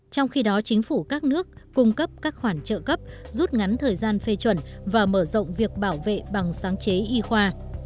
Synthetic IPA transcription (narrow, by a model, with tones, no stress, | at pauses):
t͡ɕɔ˧wŋ͡mxi˧ɗɔ˨˦t͡ɕï˨˦ŋ̟fu˧˩kaː˦˥k̚nɨ˦˥ək̚ːʊ˧ŋ͡mkə˦˥p̚kaː˦˥k̚xwaː˧˩nt͡ɕə̰ː˧˨kə˦˥p̚zu˦˥t̚ŋa˨˦nt̪ʰəː˨˩jzaː˧nfe˧t͡ɕwə˧˩nvaː˨˩məː˧˩zə̰˧˨wŋ͡mvi˨˩ək̚ɓaː˧˩wvḛ˧˨ɓa˨˩ŋsaː˨˦ŋt͡ɕe˨˦ʔi˧xwaː˧